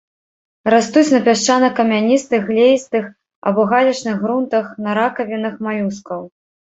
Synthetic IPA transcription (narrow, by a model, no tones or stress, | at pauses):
ɾast̪ut͡sʲnɐpʲaʂt͡ʂanɐkɐmʲanʲist̪ɨɣlʲejst̪ɨx | ɐ̰bɔɣalʲɐt͡ʂnɨɣɣɾunt̪ɐxnɐɾakɐvʲinɨxmajʲuskɐw